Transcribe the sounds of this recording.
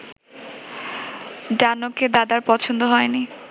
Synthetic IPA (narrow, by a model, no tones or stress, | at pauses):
ɖanoked̪ad̪aɾpɔt͡ɕʰond̪oɦɔeni